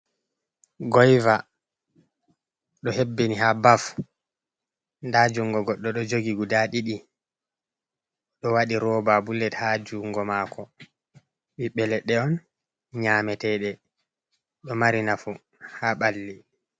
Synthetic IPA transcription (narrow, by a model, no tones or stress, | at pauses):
ɡɔjva | ɗɔhebːinihabaf | ndad͡ʒuŋɡɔɡɔɗːɔɗɔd͡ʒoɡiɡudaɗiɗi | ɗɔwaɗiɾɔbabulːɛthad͡ʒuŋɡɔmaːkɔ | ɓiɓɛlɛɗːɛɔn | ɲaːmɛtɛːɗɛ | ɗɔmaɾinafu | haɓalːi